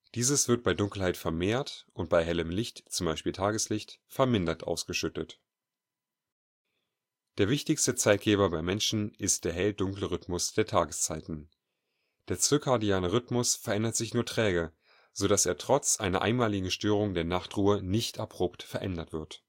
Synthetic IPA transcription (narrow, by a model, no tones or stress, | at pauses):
d̥iːzəsv̥ɪɐt̚b̥aɪdʊŋkl̩haɪtfɛɐmeːɐtʔʊntb̥aɪɦɛləmlɪçtt͡sʊmbaɪʃpiːltʰaːɡəslɪçtfɛɐmɪndɐtʔa̰ʊsɡ̥əʃʏtət | d̥eːɐvɪçtɪçstət͡saɪt̚ɡ̥eːbɐbaɪmɛnʃn̩ʔɪst̚d̥eːɐɦɛldʊŋkləʁ̞ʏtmʊsd̥eːɐtʰaːɡəst͡saɪtn̩ | d̥eːɐt͡søkʰaɐdiaːnəʁ̞ʏtmʊsfɛɐʔɛndɐtz̥ɪçnuːɐtʁ̥ɛːɡə | z̥oɾasḛːɐtʁ̥ɔt͡sʔa̰ɪnɐʔa̰ɪnmaːlɪɡŋ̩ʃtøːʁ̞ʊŋdeːɐnaχtʁuːənɪçtapʁ̥oːptfɛɐʔɛ̰ndɐtv̥ɪɐt